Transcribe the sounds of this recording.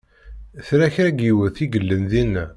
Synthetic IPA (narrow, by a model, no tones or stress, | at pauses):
θɾæçɾæɡiwəɾθiɡəlːənðinːæ